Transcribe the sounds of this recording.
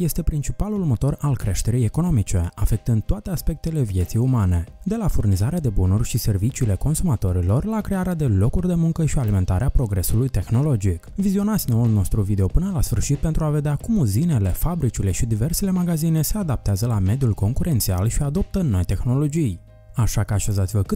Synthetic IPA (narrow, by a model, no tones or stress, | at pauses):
je̞st̪e̞pɾint͡ʃipalulmo̞t̪o̞ralkɾe̞ʃt̪e̞ɾijeko̞no̞mit͡ʃe̞afe̞k̚t̪ɨnd̪̚t̪oat̪e̞aspe̞k̚t̪e̞le̞vije̞t̪sijumane̞d̪e̞lafurnizaɾead̪e̞bunurʲʃise̞rvit͡ʃiːle̞ko̞nsumat̪o̞ɾilo̞rlakɾe̞aɾead̪e̞lo̞kurʲd̪e̞muŋkəʃialime̞nt̪aɾeapɾo̞ɡɾe̞sulujt̪e̞xno̞lo̞d͡ʒikvizio̞nat̪sʲnoulno̞st̪ɾuvid̪e̞o̞pɨnəlasfɨrʃit̪̚pent̪ɾuave̞d̪eakumuzine̞le̞fabɾit͡ʃile̞ʃid̪ive̞rse̞le̞maɡazine̞se̞ad̪ap̚t̪eazəlame̞d̪ijulko̞ŋkuɾʔe̞nt̪sia̰lʃiad̪o̞p̚t̪ənːo̞jt̪e̞xno̞lo̞d͡ʒij | aʃakəaʃezat̪sivəkɨ